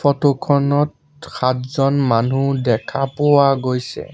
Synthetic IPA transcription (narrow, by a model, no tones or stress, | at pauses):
fɔtokʰɔnɔt | xatzɔnmanudɛkʰapʊwaɡojsɛ̰